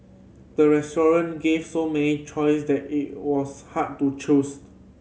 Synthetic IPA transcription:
d̥əɹɛstɔɹə̃nɡevsomɛnit͡ʃɔjsdɛtit̚wɔshad̚tut͡ʃos

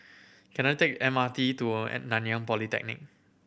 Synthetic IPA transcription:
kɛ̃nat̪ekɛ̃mat̪ituɛ̰nãnjãŋpɔlit̪ɛ̰k̚nɪ̰k̚

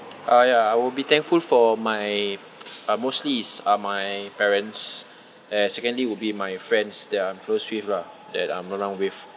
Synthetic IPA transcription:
ʔajaajwilbit̪ɛ̃ŋkfulfɔmaj | amostlisamajpɛɹə̃ns | ɛnsɛkə̃ndliwilbimajfɹɛ̃ndsdɛtãmkloswifla | dɛt̚ãməɹãʊ̃nwif

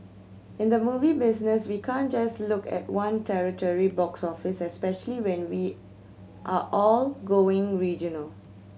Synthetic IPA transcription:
ɪ̃nd̪əmuvibɪsnəswikʰãnd͡ʒaslʊkɛ̰t̚wãntʰɛɹitɔɹibɔksɔfɪsɛspɛʃəliwɛ̃nwi | ʔaʔɔlɡoɪ̃ŋɹid͡ʒɔnəl

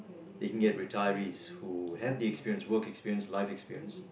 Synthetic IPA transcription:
ðeɪkʰn̩ɡɛt̚ɹitʰaɪəɹiz̥huævðiɛkspiɹiə̃nswɜˑ˞kɛkspiɹiə̃nslaɪfɛkspiɹiə̃ns

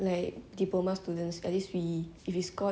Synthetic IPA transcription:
laɪk̚dipomast̪udə̃nsɛ̰tliswi | ifiskɔ

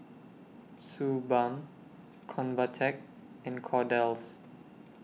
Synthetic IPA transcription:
subãm | kʰɔ̃nvətʰɛk̚ | ɛ̃nkʰɔdɛls

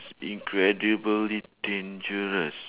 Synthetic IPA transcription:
sĩŋkʰɹɛdibəlidẽnd͡ʒəɹəs

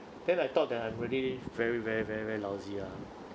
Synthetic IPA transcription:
d̥ɛ̃najt̪ɔt̚dɛtãɪ̃mɹɛdivɛɹivɛɹivɛɹivɛɹilaʊzia

